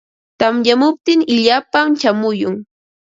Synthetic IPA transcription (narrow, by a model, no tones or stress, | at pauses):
t̪amjamʊp̚t̪ɪŋɪʎaːpamt͡ʃamʊjʊŋ